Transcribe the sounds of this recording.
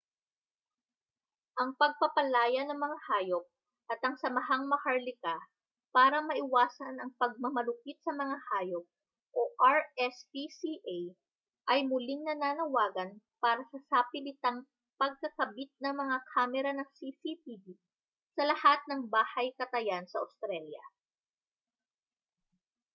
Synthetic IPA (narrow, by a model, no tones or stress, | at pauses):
ʔɐŋpɐɡ̚pɐpɐlaːjɐnɐŋmɐŋahaːjop̚ | ʔɐt̪ɐŋsɐmɐɦaŋmɐhɐɹlɪka | paːɾɐmɐʔɪwaːsɐnɐŋpɐɡ̚mɐmɐlʊkit̪̚sɐmɐŋahaːjo̞p̚ | ʔoʔaɹɛspisiʔaj | ʔɐjmʊlɪŋnɐnaːnɐwaːɡɐn | paːɾɐsɐsapɪlɪt̪ɐŋ | pɐɡ̚kɐkɐbit̪̚nɐŋmɐŋakʰaːmɛɾɐnɐŋsisip̪iːd̪i | sɐlɐhat̪̚nɐŋbaːhɐjkɐt̪ɐjansɐʔost̪ɾɛljɐ̰